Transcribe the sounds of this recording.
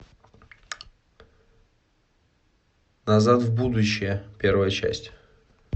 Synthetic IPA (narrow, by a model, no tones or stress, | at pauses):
nazat̪vbud̪ʊɕːɪjəpʲe̞rvəjət͡ɕæ̰sʲtʲ